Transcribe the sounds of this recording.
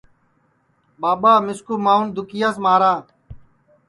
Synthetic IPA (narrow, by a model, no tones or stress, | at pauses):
ɓaːɓaːmɪskuːmaːund̪ʊkɪjaːs̬maːɾaː